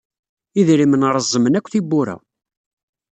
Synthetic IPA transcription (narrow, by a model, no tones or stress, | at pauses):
iðɾimənɾˤəzˤːəmənækʷːθibːʊɾæ̰